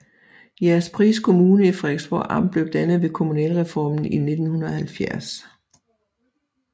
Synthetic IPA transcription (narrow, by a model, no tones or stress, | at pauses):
jæɐspʰʁḭːskʰo̝muːnəifʁɛɡ̥sb̥ɒ̰ɑ̈m̰b̥le̝ʊd̥ænð̩ˠʋe̝kʰo̝munɛ̰ːlʁɛfɒ̰ːmn̩ine̝d̥n̩hunɐɒhælfjæɐ̰s